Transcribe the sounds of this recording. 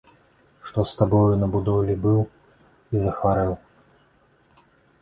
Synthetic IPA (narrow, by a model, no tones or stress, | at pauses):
ʂt̪ɔst̪abɔjunɐbud̪ɔwlʲibɨw | izɐxvaɾɨw